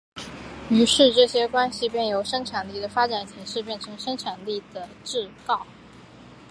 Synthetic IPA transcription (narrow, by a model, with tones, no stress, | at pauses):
y˧˥ʂɻ̩˥˧ʈ͡ʂɤ˥˩ɕjɛ˥kwa˥nɕi˨˩pjɛ˥˩njo˧˥ʊʂɤ˥ŋʈ͡ʂʰa˨˩nli˥˩d̪ə˩fa˥ʈ͡ʂa˨˩nɕi˧˥ŋʂɻ̩˥˧pjɛ˥˩nʈ͡ʂʰɤ˧˥ŋʂɤ˥ŋʈ͡ʂʰa˨˩nli˥˩d̪̥ə˩ | ʈ͡ʂɻ̩˥˧kɑ˥˩ʊ